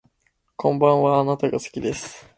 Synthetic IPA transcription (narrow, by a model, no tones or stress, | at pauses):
kʰõ̞mbãɰ̃βaːnat̪aɡasɨ̥kʲid̪e̞sɨ̥